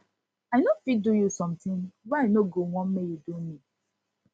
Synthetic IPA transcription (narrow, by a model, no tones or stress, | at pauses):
aɪnofidujusɔ̃mtĩnwaaɪnoɡowɔ̃nmejudumi